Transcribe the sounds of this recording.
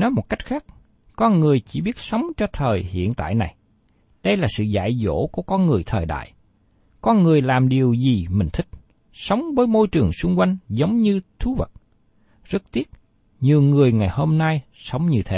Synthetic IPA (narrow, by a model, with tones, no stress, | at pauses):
nɔ˨˦mo˨˩t̚ka˦˥jk̟̚xaː˦˥k̚ | kɔ˧nŋɨ˨˩əjt͡ɕi˧˩ɓi˦˥ət̚sə˨˦wŋ͡mt͡ɕɔ˧t̪ʰəː˨˩jhḭ˧˨ənt̪a̰ː˧˨jna˨˩j | ɗə˧jlaː˨˩sɨ̰˧˨za̰ː˧˨jzo̰˧˥ku˧˩əkɔ˧nŋɨ˨˩əjt̪ʰəː˨˩jɗa̰ː˧˨j | kɔ˧nŋɨ˨˩əjlaː˨˩mɗi˨˩əwzi˨˩mï˨˩ŋ̟t̪ʰï˦˥k̟̚ | sə˨˦wŋ͡mvəː˨˦jmo˧jt͡ɕɨ˨˩əŋsʊ˧ŋ͡mkwa˧jŋ̟zə˨˦wŋ͡mɲɨ˧t̪ʰu˨˦və˨˩t̚ | zə˦˥t̚t̪i˦˥ət̚ | ɲi˨˩əwŋɨ˨˩əjŋa˨˩jho˧mna˧jsə˨˦wŋ͡mɲɨ˧t̪ʰe˨˦